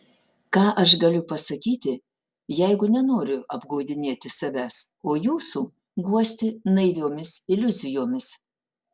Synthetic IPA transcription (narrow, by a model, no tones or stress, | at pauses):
kɑːʔɐʃɡɐlʲʊpɐsɐkʲiːt̪ʲɪ | jɛɪɡʊnʲɛnoːɾʲʊɐbɡɐʊd̪ʲɪnʲeːt̪ʲɪsɐʋʲæs | oːjuːsuː | ɡuɔsʲt̪ʲɪnɐɪʋʲoːmʲɪsɪlʲʊzʲɪjoːmʲɪs